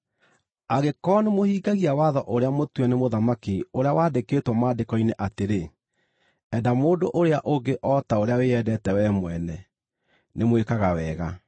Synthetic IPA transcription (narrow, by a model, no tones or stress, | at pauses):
aɣekɔːnemohiːɡaɣiawaðɔʔoɾeamotwɛnemoðamakioɾeawaːdekeːtwɔmaːdekɔineʔateɾe | ɛdamoːdoʔoɾeaʔoɡeʔɔtaoɾeaweɛdɛtɛwɛmwɛnɛ | nemwekaɣawɛːɣa